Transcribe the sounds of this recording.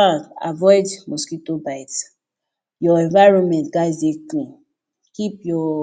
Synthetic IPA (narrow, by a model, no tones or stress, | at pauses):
ãa̰vɔɪdmɔskitobaɪt | jɔɛ̃nvaɪɹɔ̃nmɛ̃ntɡazdekũ | kipjɔ